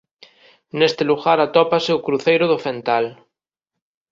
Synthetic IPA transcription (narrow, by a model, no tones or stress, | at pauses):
nest̪eluɣaɾat̪ɔpaseukɾuθejɾoðofẽnt̪al